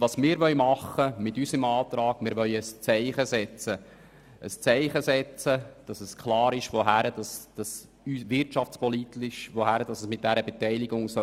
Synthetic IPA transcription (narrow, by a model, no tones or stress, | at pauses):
ʋɑsmɪːɾʋœʏmɑχːəmɪtysəmɑːt̪ɾɑːɡ̥mɪːɾʋœɥəst͡sɛɪχəsɛt͡sə | əst͡sɛɪχəsɛt͡səd̥ɑsəskʰlɑːɾɪʃʋoɦæɾəd̥ɑsd̥ɑs | ysʋɪrtʃɑft͡spɔlit̪ɪʃʋohæɾəd̥ɑsəsmɪt̚d̥æɾəbɛtɛɪliɡʊŋsœ